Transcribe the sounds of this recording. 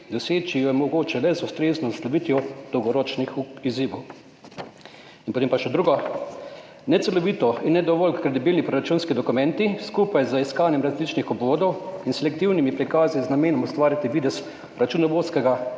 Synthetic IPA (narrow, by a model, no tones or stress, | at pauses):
d̪ɔseːt͡ʃijɔmɔɡoːt͡ʃɛlɛzust̪ɾeːznɔslɔʋiːt̪jɔd̪̥ɔwɡɔɾɔt͡ʃnixiziːʋow | inpot̪eːmpaʃɛd̪ɾuːɡɔ | nɛt̪sɛlɔʋit̪ɔinːɛd̪ɔʋɔlkːɾed̪ibilnipɾɔɾat͡ʃunskid̪ɔkumɛnt̪iskuːpajzaiskaːnjɛmɾazlit͡ʃnixɔbʋoːd̪ɔwinsɛlɛk̚t̪iwnimipɾikaːziznameːnɔmust̪ʋaːɾjat̪iʋiːd̪ɛs | ɾat͡ʃunɔʋoːt̪skɛɡa